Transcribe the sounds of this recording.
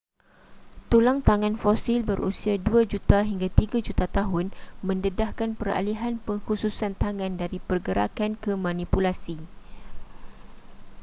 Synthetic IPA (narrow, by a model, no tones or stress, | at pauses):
t̪ulaŋt̪aŋãnfɔsilbərṵsiaduad͡ʒut̪aɦiŋɡat̪iɡad͡ʒut̪at̪aɦʊnmə̃ndədahkanpəɾa̰liɦanpəŋhususant̪aŋãndaɾipərɡəɾa̰kankəmãnipulasi